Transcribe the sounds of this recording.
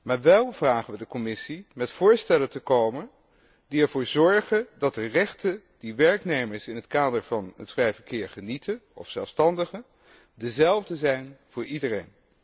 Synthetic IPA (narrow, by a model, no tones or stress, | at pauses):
maːɹʋɛlˠv̥raːχənʋədəkɔmɪsimɛtfʊːɹstɛləntəkowmən | diɛɹvʊːɹzɔɹχəndɑt̚dərɛχtə | d̥iʋɛɹknejməɹsɪnɦətkaːdəɹvɑnətfrɛjvəɹkɪːɹχənitʰənɔ̰fsɛlˠfstɑndəχə | dəzɛlˠvdəzɛjnv̥ʊːɹidərejn